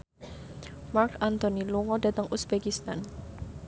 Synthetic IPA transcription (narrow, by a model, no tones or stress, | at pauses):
markant̪oniluŋɔdat̪əŋʔusbekist̪an